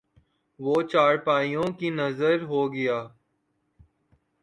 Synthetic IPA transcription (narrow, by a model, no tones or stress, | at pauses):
ʋoːt͡ʃaːɽpaːijõːkiːnəzəɾɦoːɡɪjaː